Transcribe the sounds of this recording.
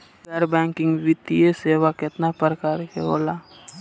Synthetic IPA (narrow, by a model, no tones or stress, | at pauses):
pəɾbɛ̃ːŋkɪ̃ŋɡʋit̪ieseːwakɪt̪napɾəkaːɾkḛɦo̰ːla